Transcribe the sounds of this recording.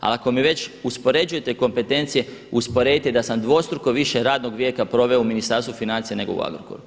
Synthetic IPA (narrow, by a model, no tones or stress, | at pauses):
a̰lako̞miʋe̞t͡ɕuspo̞ɾe̞d͡ʒujet̪e̞ko̞mpe̞t̪e̞nt̪sije̞uspo̞ɾe̞d̪it̪ed̪asamd̪ʋo̞st̪ɾukoʋiʃeɾaːd̪no̞ɡʋjeːkapɾo̞ʋe̞ouminist̪aɾst̪ʋufinant̪sijene̞ɡo̞ṵa̰ɡɾo̰koɾu